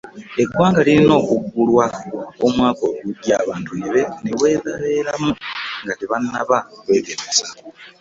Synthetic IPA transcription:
e̞ɡwaːŋɡaliɾino̞ːkuɡːulwaomwaːko̞uɡuɟjaːβaːntuneβe̞newe̞ːðaβeːɾamuŋɡateβanːaβakwe̞ːɡeɾeza

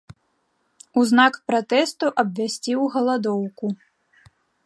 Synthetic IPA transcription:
uznakpɾat̪ɛst̪uʔɐbvʲasʲt͡sʲiwɣɐlˠad̪ɔwku

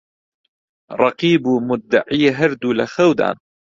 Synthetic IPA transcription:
ɾˤɑqiːbumʊd̪ːaʕiːɦaɾd̪uːlaxawd̪a̰ːn

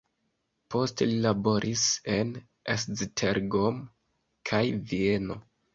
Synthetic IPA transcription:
po̞stelilabo̞ɾʔise̞n | esztʰeɾɡom | kʰajvie̞no̞

